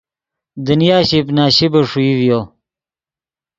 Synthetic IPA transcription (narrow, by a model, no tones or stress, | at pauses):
d̪ənijaːɕipnaːɕibɐʂuivjo